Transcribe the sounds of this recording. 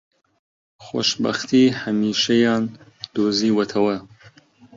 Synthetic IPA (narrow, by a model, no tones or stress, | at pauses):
xo̰ʃbɐ̰xt̪ʰiːhɐmiːʃɐjɑːnd̪̥oːziːwɐt̪ʰɐwɐ